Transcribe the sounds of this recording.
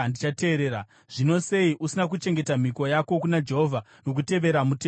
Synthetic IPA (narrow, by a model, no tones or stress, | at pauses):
ndit͡ʃate̞ːɾeːɾa | ʐ̥ino̞se̞iʔusinak̬ut͡ʃe̞ŋɡe̞tam̤iko̞jako̞kunad͡ʒe̞ɦovʱa | no̞k̬ute̞ʋe̞ɾamutː